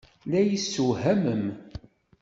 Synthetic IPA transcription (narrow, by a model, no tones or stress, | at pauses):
læjəsːuɦæməm